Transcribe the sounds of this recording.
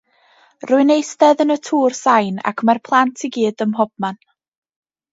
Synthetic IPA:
rʊɨnejstɛðənətʰuːrsajna̰kʰmarpʰlˠantʰiɡiːdəmɦɔb̥̚man

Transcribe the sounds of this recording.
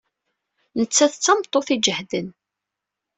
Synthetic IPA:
nət͡sːæθət͡sːɑmt̪ˤːoθid͡ʒəhd̪ən

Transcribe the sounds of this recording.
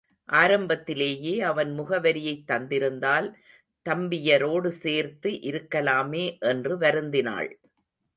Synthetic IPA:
ʔaːɾɐmbɐt̪ːɪleːjeːɐʋɐnmʊɣɐʋɐɾɪjɐɪt̪ːɐnd̪ɪɾɯnd̪aːl | t̪ɐmbɪjɐɾoːɽɯseːɾt̪ɯʔɪɾɯkːɐlaːmeːʔɛndrɯʋɐɾɯnd̪ɪna̰ːɭ

